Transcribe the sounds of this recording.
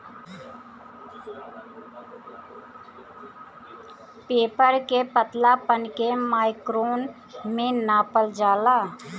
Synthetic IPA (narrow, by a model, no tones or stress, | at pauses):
peːpəɾkepət̪lapənkemaːɪkɾoːn | mẽnaːpəld͡ʒaːlaː